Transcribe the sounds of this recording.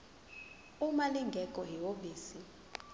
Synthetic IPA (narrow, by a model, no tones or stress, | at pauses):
umaliŋɡʱɛkʼɔɦiwoɓiːsi